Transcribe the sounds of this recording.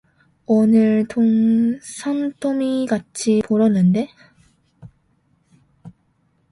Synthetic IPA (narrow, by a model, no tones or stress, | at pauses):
onɯɭtʰoŋsʰamtʰomikat͡ɕʰipoɾʌnːɯnde̞